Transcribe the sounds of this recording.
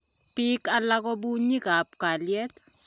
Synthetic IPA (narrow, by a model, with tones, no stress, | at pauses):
pi˦ka˦lak̬ɔ˦bu˦ɲi˦ka˨pka˨ljɛ˦t̪